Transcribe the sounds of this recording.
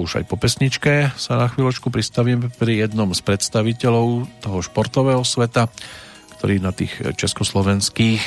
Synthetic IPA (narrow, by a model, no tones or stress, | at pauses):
uʒa̰jpɔpɛsɲit͡ʃkɛsanaxʋiːlɔt͡ʃkupɾist̪aʋiːmɛpɾijɛd̪nɔmspɾɛt̪st̪aʋicɛlɔʊt̪ɔɦɔʃpɔɾt̪ɔʋɛːɦɔsʋɛt̪a | kt̪ɔɾiːnat̪iːxt͡ʃɛskɔslɔʋɛnskiːx